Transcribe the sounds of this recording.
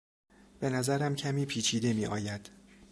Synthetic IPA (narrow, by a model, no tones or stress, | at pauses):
b̥e̞næzæɾæmcʰæmiːpʰiːt͡ʃʰiːd̪e̞miːʔɒ̰ːjæd̪̥